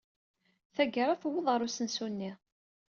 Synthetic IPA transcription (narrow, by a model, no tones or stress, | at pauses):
θæɡəɾˤaθwːəðˤʁəɾˤusənsunːi